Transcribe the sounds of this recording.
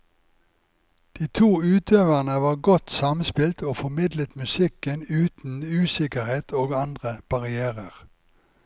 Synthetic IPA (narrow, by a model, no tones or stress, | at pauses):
d̪̥iːt̪ʰuːʉːt̪ʰøːʋæʁnəʋɑːʁɡɔt̪sɑmnspɪlt̪oːfɔmɪd̪lət̪mʉsɪkənʉːt̪n̩ʉːsɪkəʁheːt̪ʰoːɡɑnd̪ʁəb̥ɑʁɪæːʁəʁ